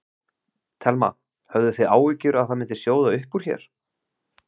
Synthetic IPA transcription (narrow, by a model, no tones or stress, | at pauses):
t̪ʰɛlma̰ | hœvðʏθeðaːwvicʏɾaðθaðmɪnt̪ɪ̥sjoːwðaʏhpːuɾ̥çɛ̰ɾ̥